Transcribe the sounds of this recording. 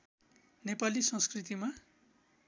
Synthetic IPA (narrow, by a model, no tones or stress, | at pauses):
nepalisʌ̃skrit̪ima